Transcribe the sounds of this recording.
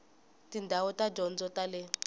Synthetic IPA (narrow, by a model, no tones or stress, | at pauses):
tʼindʱawɔtʼad͡ʒɔnd͡zɔtʼalɛ